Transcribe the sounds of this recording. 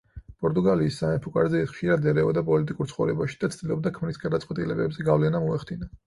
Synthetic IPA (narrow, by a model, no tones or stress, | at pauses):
pʼɔɾt̪ʼuɡaliːsːamɛpʰukʼa̰ɾzɛɛt̪χʃiɾad̪ɛɾɛɔd̪apʼɔlit̪ʼikʼuɾt̪sʰχɔvɾɛbaʃi̥d̪̥at̪sʰd̪ilˠɔb̚d̪akʰmɾisɡad̪at̪sʼwɛt̪ʼilɛbɛbzɛɡavlɛnamɔɛχd̪ina